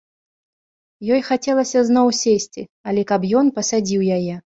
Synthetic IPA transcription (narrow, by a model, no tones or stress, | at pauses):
jɔjxat͡sʲɛlˠɐsʲɐznɔwsʲesʲt͡sʲiɐlʲɛkapjɔnpɐsad͡zʲiwjajɛ